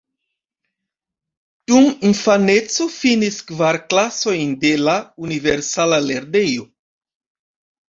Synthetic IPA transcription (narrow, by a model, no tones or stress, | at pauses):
d̥uninfane̞t͡so̞finiskvaɾklaso̞jnde̞launiveɾsalaleɾde̞jo